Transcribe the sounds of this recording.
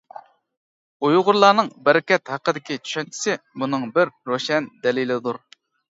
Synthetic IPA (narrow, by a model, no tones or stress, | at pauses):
ujʁʊɾlˠɑːnɨŋbæɾɪkʲɛt̪hæqːəd̪ɪkʲit͡ʃʰy̥ʃɛnt͡ʃʰi̥sɪmunɨŋbɪɾːoʃɛnd̪ɛlilɪd̪uɾ